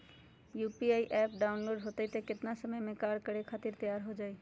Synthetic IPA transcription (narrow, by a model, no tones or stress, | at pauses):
jupiajʔɛpɖaʊnloɖɦot̪ejt̪eket̪nasəməjmẽkaɽkəɽekʰat̪iɾt̪ejaɾɦod͡ʒaej